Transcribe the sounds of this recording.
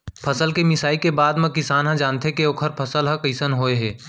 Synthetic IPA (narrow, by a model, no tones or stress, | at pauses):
pʰɐsəlkemɪsaːikebaːd̪mẽkɪsaːnɦãd͡ʒaːnt̪eɦekeoːkʰəɾpʰəsəlɦə̃kiːsənɦoːeɦɛː